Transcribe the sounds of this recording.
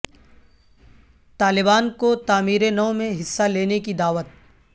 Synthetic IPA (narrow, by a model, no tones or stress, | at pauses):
t̪aːlɪbaːnkot̪aːmiːɾenɐːmẽɦɪsːaleːnekid̪aːʋət̪̚